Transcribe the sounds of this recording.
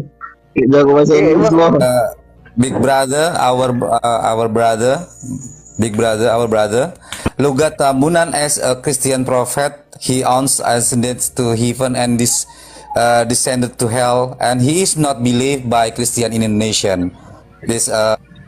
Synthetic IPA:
d͡ʒakobasawəo | biɡ̚bɾadəa̰wəra̰wərbɾadə | biɡ̚bɾadəawəbɹadəluɡat̪amunãnɛsəkɾist̪iãnpɾɔfɛt̪̚hiʔãnsasɛ̃ndə̃nst̪uɦivə̃nɛ̃ndis | ədisɛ̃ndəd̚t̪uɦɛlɛ̃nɦiːsnɔt̪̚bilifbajkɾist̪iãnĩndoneʃə̃n | dɛsə

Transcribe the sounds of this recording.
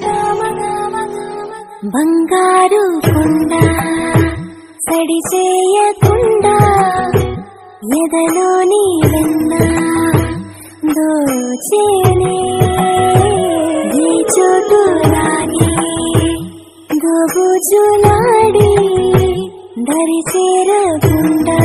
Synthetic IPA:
bʱɐŋɡaːɾukuɳɖa | sɐɽit͡ʃɛːjɐkuɳɖaː | jɛd̪ɐloːnid̪ɐnːa | d̪oːt͡ʃeːne | d̪ʱiːt͡ʃoːʈulaːni | nd̪oːbud͡ʒulaːɽi | d̪ɐɾit͡ʃeːɾɐkuɳɖa

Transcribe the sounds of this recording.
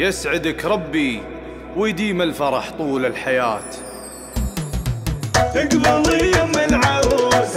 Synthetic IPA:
jɪsʕɪd̪əkɾˤɑbːi | wɪjd̪iːmɪlfɑɾˤɑħt̪ˤuːlɪlħajaːt̪ | jɪɡbʊɾlijamɪnʕab

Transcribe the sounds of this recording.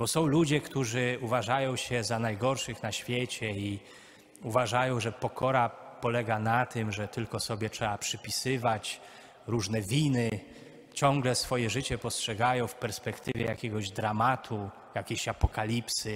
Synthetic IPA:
bɔsɔ̃w̃lud͡ʑɛkt̪uʐɘuvaʐajɔ̃w̃ɕɛzanajɡɔɾʂɘxnaɕfʲjɛt͡ɕɛi | uvaʐajɔ̃w̃ʐɛpɔkʰɔɾapɔlɛɡanat̪ɘmʐɛt̪ɘlkɔsɔbʲjɛtʂɛapʂɘpʲisɘvat͡ɕ | ɾuʐnɛvʲinɘ | t͡ɕɔ̃ŋɡlɛsfɔjɛʐɘt͡ɕɛpɔstʂɛɡajɔ̃w̃fpɛɾspɛkt̪ɘvʲjɛjakʲɛɡɔʑd̪ɾamat̪ʰu | jakʲeɕapɔkalʲipsɘ

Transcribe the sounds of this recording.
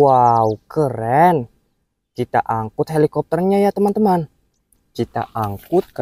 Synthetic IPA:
waukəɾɛn | t͡ʃit̪a̰ʔaŋkʊt̪̚ɦelikɔp̚t̪ərɲajat̪əmant̪əman | d͡ʒit̪a̰ʔaŋkʊt̪̚kə

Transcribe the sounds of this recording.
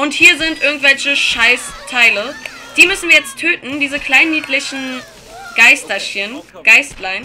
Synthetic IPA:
ʔʊnthiːɐzɪntʔɪɐɡŋ̩tv̥ɛlçəʃaɪstʰaɪlə | d̥iːmʏsn̩viːɐjɛt͡stʰːøːtn̩diːzəkʰl̥aɪnːiːtlɪçn̩ | ɡ̥aɪstɐçənɡ̥aɪstlaɪn

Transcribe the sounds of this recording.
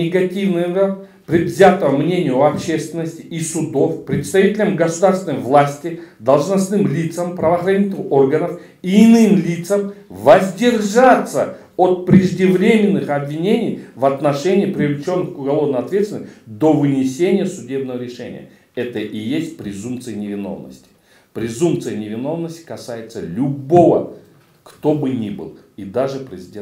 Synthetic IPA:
ɪɡɐtʲivnɨɐ | pɾʲɪdvzʲat̪əəmnʲenʲɪjʊɐpɕe̞st̪vʲɪnːəsʲtʲɪ̥ʔisʊd̪ofpɾʲɪt̪st̪ɐvʲitʲɪlʲəmɡəsʊd̪arsʲɪnəjvlˠasʲtʲɪd̪ɐlˠʐnɐsnɨmlʲit̪səmpɾɐvəːxɾɐnʲit̪ʲɪnɨo̞rɡənəf | iːnɨmlʲit̪səmvɐzʲdʲɪrʐat̪sə̰ | ot̪̚pɾʲɪʐdʲɪvɾʲemʲɪnːɨxɐbvʲɪnʲenʲɪjvɐt̪nɐʂɛnʲɪɪpɾʲɪvlʲɪt͡ʃo̞nːɨxkʊɡɐlˠo̞vnəjɐt̪vʲet̪vɪnəsʲtʲd̪o̞vɨnʲɪsʲenʲɪjəsʊdʲe̞bnəvəɾʲɪʂɛ̰nʲɪ̰jə̰ | ɛt̪əʔɪjesʲt̚ʲpɾʲɪzumpt̪sɨjənʲɪvʲɪno̞̰vnə̰sʲtʲɪ̥ | pɾʲɪzumpt̪sɨjənʲɪvʲɪno̞vnəsʲtʲɪ̥kɐsajɪt̪səlʲʊbovə̰ | kt̪o̞bɨnʲibɨ̰lˠid̪aʐɨpɾʲɪzʲɪdʲe

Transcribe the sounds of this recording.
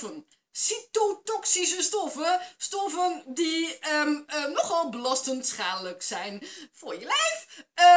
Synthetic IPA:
ən | sitotɔksis̬əstɔfəstɔfəndiəənɔχɔlˠbəlɑstəntsχaːnləksɛjnfʊjəlɛjf

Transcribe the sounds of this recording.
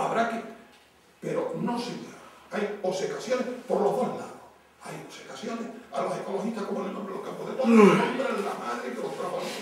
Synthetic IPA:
aβɾake | pe̞ɾonosioajosekasjo̞nehpo̞ɾlo̞ɦðo̞ɦla̰ðo | ajose̥kasjo̞nehalo̞se̞ko̞lohiht̪ahkomonenõmbɾelokampoðet̪oðonõmbɾela̰maðɾeikelohkɾaβao

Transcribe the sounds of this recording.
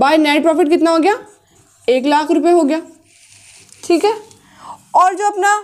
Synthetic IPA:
baːinɛːʈpɾɔːfɪʈkɪt̪naɦoːɡjaː | eːklaːkʰɾʊpjeɦoːɡɪjaː | ʈʰiːkɦɛː | ɔːɾd͡ʒoːɐpna

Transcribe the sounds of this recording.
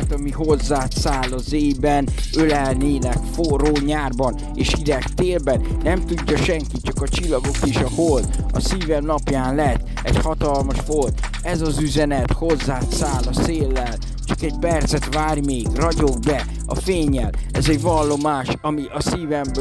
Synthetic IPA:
t̪ɒmiɦo̞zːaːt̪saːlɒzeːbɛnølɛlneːnɛkfoɾoːɲaːrbɒn | eːʃid̪ɛkt̪eːlbɛnːɛmt̪uɟːɒʃɛŋkit̪̚t͡ʃɒkɒt͡ʃilːɒɡo̞keːʃɒholt̪ɒ̰siːvɛmnɒpjaːnlɛt̪ː | ɛ̰ɟhɒt̪ɒlmɒʃho̞lt̪ | ɛzɒzyzɛnɛt̪ho̞zːaːt̪saːlɒseːlːɛl | t͡ʃɒkɛɟpɛrt̪sɛt̪vaːrmeːɡrɒɟo̞ɡ̚bɛ | ɒ̰feːɲːɛlɛzɛɟvɒlːo̞maːʃɒmiʔɒsiːvɛmb

